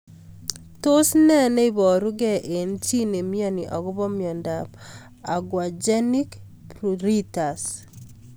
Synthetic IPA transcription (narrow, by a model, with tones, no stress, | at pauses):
to˦snɛ˦nɛ˦i˦βɔ˨ɾu˦ɡɛ˦ʔe˨nt͡ʃi˦ne˨mi˦ɔ˦ni˨ʔɔ˨ɣu˦βɔ˦mjɔ˨ndap | a˨ɡwa˨d͡ʒɛ˦ni˦k | pɾu˨ɾi˦ta˨s